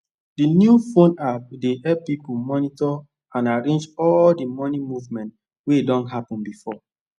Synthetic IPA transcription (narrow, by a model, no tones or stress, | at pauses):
dinjufõnap̚dehɛlppipumɔnitɔ | ãnaɹẽnd͡ʒɔldimɔnimuvmɛ̃nt | wedɔ̃nɦapɔ̃nbifɔ